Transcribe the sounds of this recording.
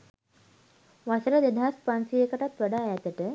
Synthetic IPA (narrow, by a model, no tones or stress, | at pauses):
ʋasɾəd̪ed̪ʱaspansiekəʈat̪ʋəɽajat̪əʈə